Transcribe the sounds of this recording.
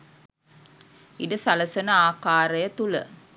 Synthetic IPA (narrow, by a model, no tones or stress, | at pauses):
iɖəsaləsənəaːkaːɾəjət̪ulə̰